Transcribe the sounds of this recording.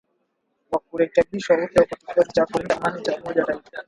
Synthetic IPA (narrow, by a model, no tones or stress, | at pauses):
wak̚uɾɛkɛɓiʃwaupaakaki̥kɔsit͡ʃakuɛndamanit͡ʃaumɔʄaɾaiɗa